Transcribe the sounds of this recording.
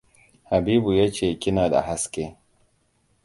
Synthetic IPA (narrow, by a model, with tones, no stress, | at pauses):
ha˨biː˦bu˨jaː˦t͡ʃeː˦˨kʲɪ˦naː˨da̰˨ha˦skʲe˦